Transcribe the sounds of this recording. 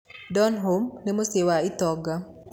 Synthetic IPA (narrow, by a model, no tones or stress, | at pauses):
dɔnɦomnemosewaɪt̪ɔɡa